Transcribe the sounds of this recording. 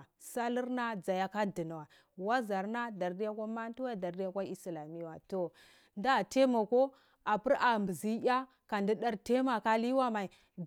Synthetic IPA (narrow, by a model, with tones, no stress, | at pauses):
sa˦li˦ɾna˦d͡za˨ja˦ka˦di˨na˨wa˨ | wa˦za˨ɾna˦da˨ɾdi˦ja˦kʷa˦ma˦n˦tu˦wa˦˨da˨ɾdi˦ja˦kʷa˦i˦sla˨mi˦wa˨to˨ | nda˦˨te˦ma˨ko˦ | a˨pi˦ɾa˨mbə˨zi˦a˦ | ka˨ndi˦ɗa˦ɾte˦ma˨ka˦li˦wa˦ma˨i˨